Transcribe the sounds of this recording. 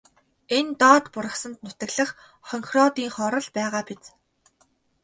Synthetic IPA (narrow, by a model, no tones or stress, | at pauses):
ent̪ɔːt̪pʊɾə̆χsə̆nt̪nʊt̪ə̆ɣɮə̆χ | χɔŋxrɔːt̪iːŋχɔɾɞ̆ɮpæːʁaːpet͡s